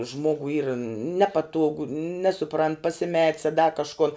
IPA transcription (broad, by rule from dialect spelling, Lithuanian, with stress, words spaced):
ˈʒmoːɡʊɪ iːr ˈnʲæːpɐtuɔɡʊ ˈnʲæːsʊprɐnt pɐsʲɪˈmʲɛtʲs ɐ dɐ kɐʃˈkʊn